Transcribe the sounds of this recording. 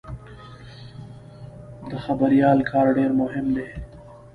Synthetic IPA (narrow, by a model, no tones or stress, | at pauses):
d̪əxabəɾijɑːlkʰɑːɾɖeɾmʊɦɪmd̪e